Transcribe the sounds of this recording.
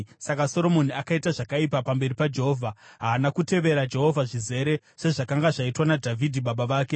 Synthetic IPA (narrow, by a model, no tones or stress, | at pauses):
sakaso̞ɾo̞mo̞niakaitaʐakaipapambe̞ripad͡ʒe̞ɦo̞vʱaɦaːnakute̞ʋe̞ɾad͡ʒe̞ɦo̞vʱaʐize̞ɾe̞ | se̞ʐakaŋɡaʐaitwanadʱavʱidʱiɓaɓaʋaːke̞